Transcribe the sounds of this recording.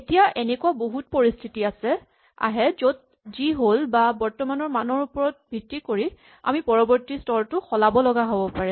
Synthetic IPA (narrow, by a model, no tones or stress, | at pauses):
etijaʔenɛkuaboɦut̚poɹistʰitiasɛ | a̰ɦɛzod̚ | ziɦolbabɔɹtɔmanɔɹmanɔɹupɔɹɔt̚bʱitːikoɹi | a̰mipɔɹɔbɔɹtistɔltʊxɔlabɔlɔɡaɦobɔpaɹɛ